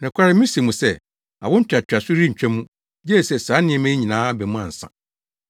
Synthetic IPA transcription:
nɪ̃˨kʷʰa˦ɾɪ˦mĩ˦se˨mũ˨sɛ˦ | a̰˨wʊ̃˦n̩˦t͡ɕʰᶣa˨t͡ɕʰᶣa˨sʊ˦ɾi˦ɲ̩˨t͡ɕᶣɛ̃˦mũ˦ | d͡ʑɛ˦˨sɛ˦sãː˨˦nɪ̃˦ɛ˨mæ̃˦ɲĩ˨nãː˨˦a˦bɛ˨mũ˦ã̰˨n̩˨sã̰˨

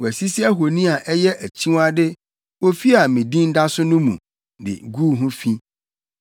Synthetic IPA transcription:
wæ˨si˦si˦a˦ɦo˨nĩ˦a˨ʔɛ˦jɛ˦ʔæ˨t͡ɕʰĩ˦wa˦dɪ˦ | wo˦fi˦a˨mĩ˨dĩ˦n̩˦da˦sʊ˦nʊ̃˦mũ˨ | dɪ̰˨ɡuː˦ɦʊ̃˦fĩ˦

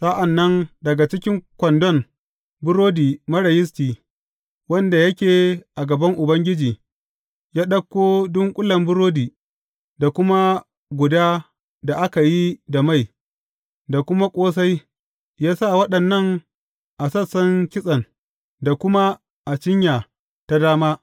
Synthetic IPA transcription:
sa˦ʔa˨nːɐ˦ndɐ˨ɡa˨t͡ʃɪ˦kʲɪ˦ŋkʷɐ˨ndɔ˦˨n | bʊ˦ɾoː˦diː˨mɐ˦ɽɐ˨jɪ˦stiː˨ | wɐ˦nda˨jɐ˦kʲeː˨ʔa˨ɡɐ˨bɐ˦ŋʔʊ˨bɐ˦ŋɡʲɪ˦d͡ʒiː˨ | jaː˦ɗɐ˦kʷːoː˦dʊ˦ŋkʷʼʊ˦lɐ˨mbʊ˦ɾoː˦diː˨ | da˨kʷʊ˦ma˦ | ɡʷʊ˨daː˦ | da˨ʔa˦ka˨ji˦da˨ma˦˨j | da˨kʷʊ˦ma˦kʷʼoː˦s̬a˦j | jaː˦sa˦˨wɐ˦ɗɐ˨nːɐ˦˨ŋ | ʔa˨sɐ˦˨sːɐ˦ŋkʲɪ˦sʼɐ˨n | da˨kʷʊ˦ma˦ | ʔa˨t͡ʃɪ˦ɲjaː˨ | ta˦daː˦maː˦

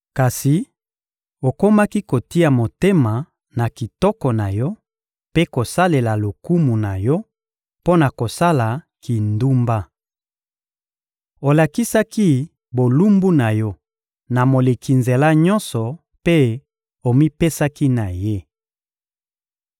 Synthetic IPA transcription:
ka˨si˨ | o˨ko˦ma˦ki˦ko˨ti˦a˨mo˨te˦ma˨ | na˨ki˨tɔ˦kɔ˨na˨jɔ˦ | pe˦ko˨sa˦le˨la˨lo˨ku˦mu˨na˨jɔ˦ | po˦na˨ko˨sa˦la˨ | ki˨ndu˦mba˦ | o˨la˨ki˦sa˦ki˦ | bo˨lu˦mbu˦na˨jɔ˦ | na˨mo˨le˨kʰi˨nze˨la˦ɲɔ˦nsɔ˨ | pe˦ | o˨mi˦pe˦sa˦ki˦na˨je˦

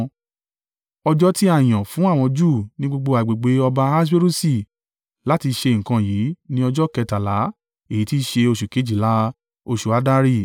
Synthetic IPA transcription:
ɔ˧d͡ʒɔ˦ti˦a˦˨j̃ã˨fũ˨˦a˦˨w̃ɔ̃˧d͡ʒu˦˨nĩ˦ɡ͡bo˧ɡ͡bo˧a˨ɡ͡be˨ɡ͡be˨˦ɔ˧ba˧a˦s̬be˦ɾu˦si˦˨ | la˨˦ti˧ʃe˧˨ŋ̩̃˨kã˨jiː˨˦nĩ˦ɔ˧d͡ʒɔ˦kɛ˧ta˨la˨˦ | e˨ji˨˦ti˦˧ʃe˧o˧ʃu˨ke˨˦d͡ʒi˦˨la˨˦ | o˧ʃu˨a˧˦da˦ɾi˦˨

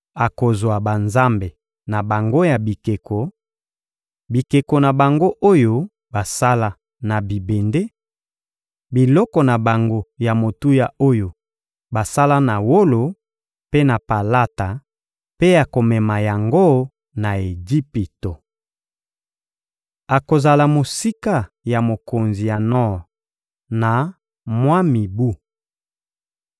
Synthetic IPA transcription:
a˨ko˨zwa˨ba˨nza˦mbe˨ | na˨ba˨ŋɡo˦ja˨bi˨ke˨kʰo˨ | bi˨ke˨ko˨na˨ba˨ŋɡo˦ʔo˦jo˦ | ba˨sa˦la˦ | na˨bi˨be˨nde˦ | bi˨lɔ˦kɔ˨na˨ba˨ŋɡo˦ja˨mo˨tu˦ja˨o˦jo˨ | ba˨sa˦la˦na˨wo˦lo˨ | pe˦na˨pa˨la˦ta˨ | pe˦a˨ko˨mɛ˨ma˨ja˨ŋɡo˦ | na˨e˨ɡi˦pi˨to˨ | a˨ko˨za˨la˨mo˨si˦ka˦ | ja˨mo˨ko˨nzi˨ja˨nɔ˦˨ | na˨ | mwa˦mi˨bu˦

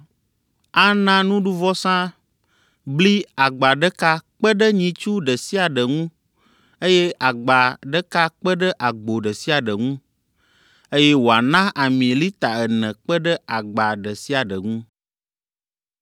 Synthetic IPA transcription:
a˦nã˦nũ˦ɖu˦vɔ˦sã˦ | bli˦a˨ɡ͡ba˨ɖə˦ka˦k͡pə˦ɖə˦ɲĩ˦t͡ʃu˦ɖə˨si˦a˨ɖə˨ŋũ˦ | e˦jɛ˦ʔa˨ɡ͡ba˨ɖə˦ka˦k͡pə˦ɖə˦ʔa˨ɡ͡bo˨ɖə˨si˦a˨ɖə˨ŋũ˦ | ə˦jɛ˦wo˨a˨nã˦ʔa˨mĩ˨li˦t̪a˨ə˨nə̃˨k͡pə˦ɖə˦a˨ɡ͡ba˨ɖə˨si˦a˨ɖə˨ŋũ˦

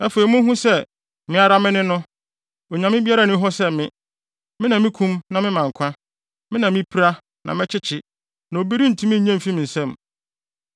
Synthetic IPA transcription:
ɛ˦fo˨ɾi˨˦mʊ̃˦ɦũ˦sɛ˦ | mɪ̃˦a˨ɾa˦mɪ̃˦nɪ̃˦nʊ̃˦ | o˨ɲã˨mɪ̃˦bi˦a˦ɾa˦nɪ̃˦ɦɔ˦sɛ˦mɪ̃˦ | mɪ̃˦nã˨mɪ̃˦kʰũ˦mnã˨mɪ̃˦mã˨ŋ̩˨kʷʰã˦ | mɪ̃˦nã˨mĩ˦pʰi˦ɾa˦ | nʔã̰˨mɪ̃˦t͡ɕʰɪ˦t͡ɕʰɪ˨ | nã˨o˨bi˦ɾi˦n̩˨tʰũ˦mɪ̃˦ɲã˦m̩˨fi˦m˨n̩˨sɛ̃˦˨m

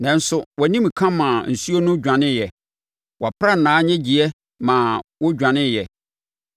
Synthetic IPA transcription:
nã˨˦n̩˦sʊ˦wɔ˨nĩ˦m˨kʰã˦mã˨n̩˨su˦o˦nʊ̃˦d͡ʑᶣã˨nɪ̃˦˨jɛ˨ | wʔpʰɾa˦˨nãː˨˦ɲɛ̃˦d͡ʑi˨ɛ˦ | mã˨wʊ˦d͡ʑᶣã˨nɪ̃˦˨jɛ˨

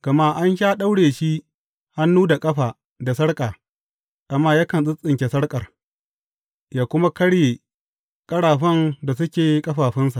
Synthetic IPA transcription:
ɡ̥ɐ˨ma˦ʔa˦nʃaː˦ɗa˦wɽeː˨ʃi˦ | ha˦nːuː˦da˨kʼɐ˦ɸaː˨ | da˨sɐ˦ɽkʼaː˨ | ʔa˨mːaː˦jaː˦kɐ˨nsʼɪ˦sʼɪ˨ŋkʲe˨sɐ˦ɽkʼɐ˨r | jaː˦kʷʊ˦ma˦kɐ˦ɽjeː˨ | kʼɐ˦ɽaː˨ɸɐ˦nda˨s̬ʊ˦kʲeː˨˦kʼɐ˦ɸaː˨ɸɪ˦nsa˨

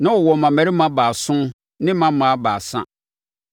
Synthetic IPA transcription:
nã˦wɔ˨wɔ˨mã˨mæ˨˦ɾi˦mã˦baː˨sʊ̃˦m | nɪ̃˦mã˦mã˨˦baː˨sã̰˦

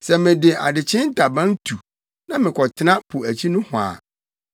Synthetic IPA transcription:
sɛ˨mɪ̃˨dɪ˨a̰˨dɪ˨t͡ɕʰɪ̃˦n̩˦tʰa˨bã˦n˦tʰu˨ | nã˦mɪ̃˨kʰɔ˨tʰɪ˦nã˦pʰʊ˨æ˨t͡ɕʰi˦nʊ̃˦hʊ̃˨a̰˨

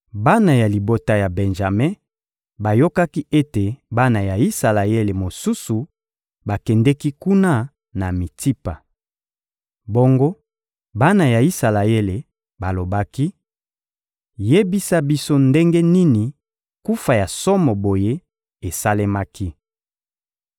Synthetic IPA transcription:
ba˦na˨ja˨li˨bo˦ta˦ja˨bɛ˨nʒa˨me˦ | ba˨jo˦ka˦ki˦ʔe˦te˨ba˦na˨ja˨i˦sa˨la˨e˦le˨mo˨su˦su˨ | ba˨kɛ˨ndɛ˦ki˦ku˦na˦ | na˨mi˨ti˦pa˨ | bo˦ŋɡo˦ | ba˦na˨ja˨i˦sa˨la˨e˦le˨ | ba˨lo˨ba˦ki˦ | je˦bi˦sa˦bi˦so˦nde˦ŋɡe˦ni˦ni˨ | ku˦fa˨ja˨sɔ˦mɔ˨bo˨je˦ | e˨sa˦le˦ma˦ki˦

